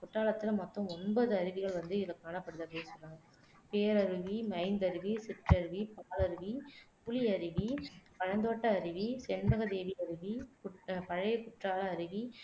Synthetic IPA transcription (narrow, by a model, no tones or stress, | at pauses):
kʊʈraːlɐt̪ːɪlɐmɐt̪ːɔ̃ɔnbɐðɯɐɾɯʋɪɣɐɭʋɐnd̪ɯɪlɐkːaːnɐpːɐɽɯðɐpɐɽeɪnsɔnːaːŋɡɐ | peːɾɐɾɯʋimɐɪnd̪ɐɾɯʋisɪʈrɐɾɯʋipaːlɐɾɯʋipʊliɐɾɯʋipɐɻɐnd̪oːʈːɐːɾɯʋisɛnbɐɣɐd̪eːʋiɐɾɯʋikʊpɐɻɐjɐkʊʈraːlɐːɾɯʋi